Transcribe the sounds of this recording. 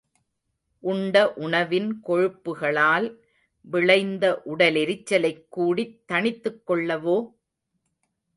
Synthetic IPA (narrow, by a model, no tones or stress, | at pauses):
ʔʊɳɖɐʔʊɳɐʋɪnkɔɻɯpːɯɣɐɭaːl | ʋɪɭɐɪnd̪ɐʔʊɽɐlɛɾɪt͡ʃːɐlɐɪkːuːɽit̪ːɐɳɪt̪ːɯkːɔɭːɐʋoː